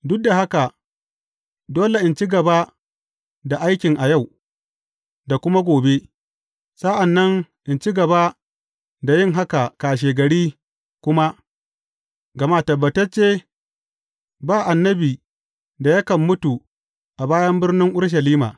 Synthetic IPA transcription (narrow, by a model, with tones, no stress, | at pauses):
dʊ˦k̚da˨ɦa˦ka˨ | doː˦le˨ʔɪ˨nt͡ʃi˦ɡɐ˨ba˦ | da˨ʔa˦jkʲɪ˨ŋʔa˨ja˦˨w | da˨kʷʊ˦ma˦ɡʷoː˨be˦ | sɐ˦ʔa˨nːɐ˦ŋʔɪ˨nt͡ʃi˦ɡɐ˨ba˦ | da˨jɪ˦ŋɦa˦ka˨kaː˨ʃ̬eː˨ɡɐ˨ɽiː˦ | kʷʊ˦ma˦ | ɡɐ˨ma˦˨tɐ˨bːɐ˨tɐ˦t͡ʃeː˦ | baː˦˨ʔa˨nːɐ˦biː˨ | da˨jɐ˦kɐ˨mːʊ˦tu˨ | ʔa˨baː˦jɐ˦mbɪ˦rnɪ˦ŋʔʊ˦ɽʃ̬ɐ˨liː˦ma̰ː˨